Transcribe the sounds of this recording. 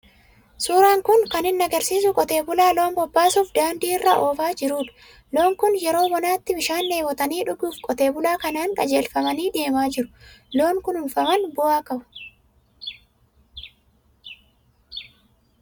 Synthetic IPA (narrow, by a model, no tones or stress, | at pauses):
suːɾaːŋkʊŋkɐnɪnːɐɡɐɾsiːs̬ʊkʼɔt̪e̞ːbʊlaːlo̞ːmbɔbːaːsuːfd̪aːnd̪iːɪrːɐʔoːfaːd͡ʒɪɾuːᶑ | lo̞ːŋkʊnjɛɾo̞ːwɔnaːt̪ːɪmɪʃaːnːeːwɔt̪ɐniːᶑʊɡuːfkʼɔt̪e̞ːbʊlaːkɐnaːnkʼɐd͡ʒe̞ːlfɐmɐniːd̪e̞ːmaːd͡ʒɪɾʊ̥lo̞ːŋkʊnʊnfɐmɐnbʊaːkɐbʊ̥